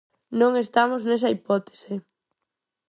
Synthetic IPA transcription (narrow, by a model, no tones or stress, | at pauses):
nõŋest̪amʊznes̬ɐipɔt̪e̥sɪ